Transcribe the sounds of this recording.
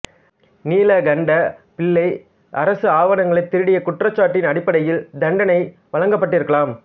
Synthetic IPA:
niːlɐɡɐɳɖɐpɪɭːɐɪ | ʔɐɾɐsɯaːʋɐnɐŋɡɐɭɐɪt̪ːɪɾɯɽɪjɐkʊʈrɐt͡ʃːaːʈːɪnɐɽɪpːɐɽɐjɪld̪ɐɳɖɐnɐɪ | ʋɐɻɐŋɡɐpːɐʈːɪɾɯkːɐɭaːm

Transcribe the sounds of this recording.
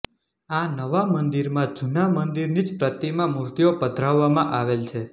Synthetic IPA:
anəʋamənd̪iɾmãd͡ʒunamənd̪iɾnid͡ʒpɾət̪imãmuɾt̪iopəd̪ʱɾaʋːamãʔaʋelt͡ʃʰe

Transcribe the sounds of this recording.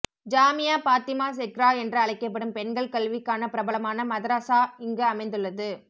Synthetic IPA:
d͡ʒaːmɪjaːpaːt̪ɪmaːs̬ɛkɾaːɛndrɯɐɭɐɪkːɐp̬ːɐɽɯmpɛnɡɐɭkɐɭʋɪkːaːnɐpɪɾɐbɐɭɐmaːnɐmɐðɐɾaːsaːɪŋɡɯɐmɐɪnd̪ɯɭːɐðɯ

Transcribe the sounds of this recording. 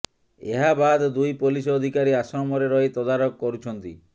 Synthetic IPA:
eɦabad̪d̪ujpulisɔd̪ʱikaɾiasɔmɔɾeɾɔit̪ɔd̪aɾɔkːɔɾut͡ʃʰɔnt̪ḭ

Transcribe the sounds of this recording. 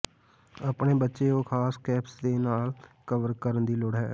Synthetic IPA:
aːpɳeːbətːʃeːõːkʰaːskɛːpsd̪eːnaːlkəʋəɾkəɾənd̪iːlʊɽɦɛ̰ː

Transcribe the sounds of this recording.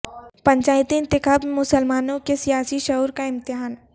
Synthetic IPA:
pɐ̃ɲt͡ʃaːɪt̪iɪ̃nt̪ɪkaːbemʊsəlmaːnõkesijaːsiʃɐɦuːɾkaɪ̃mt̪ɪɦaːn

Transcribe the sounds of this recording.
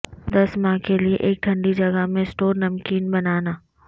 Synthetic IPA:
d̪ɐsmãːɦkelieʔeːk̚ʈʰɐ̃ɳɖid͡ʒɐɡəɦmẽsʈoːɾnɐmkiːnbɐnaːnaː

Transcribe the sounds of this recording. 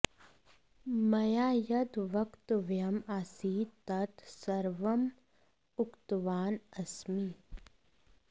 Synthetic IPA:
mɐjaːjɐd̪ʋɐkt̪ʋjɐmaːsiːt̪ɐt̪sɐɾʋɐm | ʊkt̪ʋaːnɐsmiː

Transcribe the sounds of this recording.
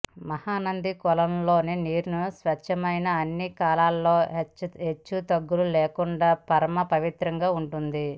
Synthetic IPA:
mɐhaːnɐnd̪ikɔlɐmlo̞ːniniːɾnusʋɐt͡ʃʰːɐmɐjnɐɐnːikaːlaːlːo̞ːɦet͡ʃːut̪ɐɡːululeːkuɳɖaːpɐɾɐmɐpɐʋit̪ɾɐŋɡaːuɳʈund̪i

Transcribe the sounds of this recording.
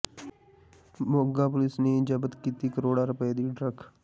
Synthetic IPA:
boːɡaːpʊlɪsneːd͡ʒəbət̪kiːt̪iːkəɾoːɽaːɾʊped̪iːɖɾəkʰ

